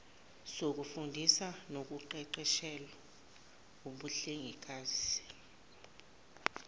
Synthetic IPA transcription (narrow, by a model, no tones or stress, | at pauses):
sok̬ufundʱisanok̬uǃɛǃɛʃɛla | oɓuɬeŋʱik̬ʼaːz̥i